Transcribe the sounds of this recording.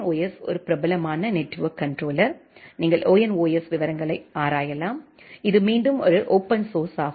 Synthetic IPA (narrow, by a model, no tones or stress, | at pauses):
oːjɛsɔ̰ɾɯpɪɾɐbɐlɐmaːnɐneʈrʋɐkːɐɳɖɾoːlɐɾniːŋɡɐɭʔoːjɐnoːjɛsʋɪʋɐɾɐŋɡɐɭɐɪaːɾaːjɐlaːm | ɪðɯmiːɳɖɯmɔɾɯʔoːpɐnsoːɾsaː